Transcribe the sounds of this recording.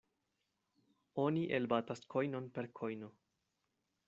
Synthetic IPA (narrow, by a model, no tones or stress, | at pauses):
o̞niʔelbataskʰo̞jno̞npe̞ɾkʰo̞jno